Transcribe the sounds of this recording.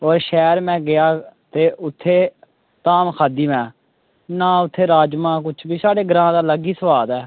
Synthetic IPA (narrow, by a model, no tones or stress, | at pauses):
oːɾʃɛːɾmɛ̃ːɡɪjaːt̪eːʊt̪ʰːeː | t̪aːmkʰaːd̪iːʋɛ̃ː | nãːʊt̪ʰːeːɾaːd͡ʒmãːk̬ʊt͡ʃʰbiːsaːɖeːɡəɾãːd̪aːləɡiːsəʋaːd̪ɛː